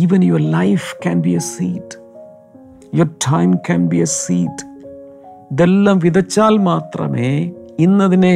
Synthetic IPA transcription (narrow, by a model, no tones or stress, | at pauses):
iːʋɐnjoɾlɐjfkænbiɐsiːt | joɾtʰãɪmkʰænbiɐsiːt | d̪elːaːmʋiðɐt͡ɕːaːlmaːt̪rɐ̰meːinːɐðine